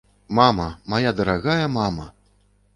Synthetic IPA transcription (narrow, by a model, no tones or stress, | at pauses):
mamɐmajad̪ɐɾaɣajɐmamɐ̰